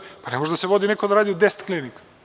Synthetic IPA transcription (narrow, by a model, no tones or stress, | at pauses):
panemoʒd̪aseʋod̪inekod̪aɾaːd̪iud̪ese̥t̪klinik